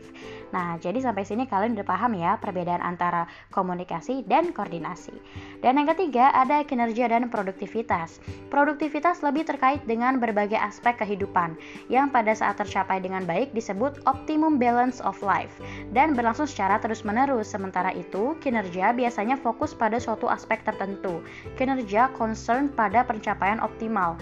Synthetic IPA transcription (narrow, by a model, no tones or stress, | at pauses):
nahd͡ʒadis̬ampajsinikalɪnbəpaɦamjapərbedaanʔa̰nt̪aɾa | komunikasidankordinasḭdanjaŋkət̪iɡaʔadakinərd͡ʒiadanpɾoduk̚t̪ifit̪aspɾoduk̚t̪ifit̪asləbɪht̪ərkaɪt̪̚dəŋanbərbaɡajaspɛkːəɦidupan | jaŋpadasa̰ʔat̪ːərt͡ʃapajdəŋanbaɪk̚disəbʊt̪̚ʔɔp̚t̪imʊmbɛlansɔfla̰jfdanbərlaŋsʊŋsə̥t͡ʃaɾat̪əɾʊsmənəɾʊsːəmənt̪aɾaʔit̪ukinərd͡ʒiabiasaɲafokʊspadasuat̪uʔa̰spɛk̚t̪ərt̪ənt̪u | kinərd͡ʒiakɔnsərnpadapərɲt͡ʃapajanʔɔ̰p̚t̪imal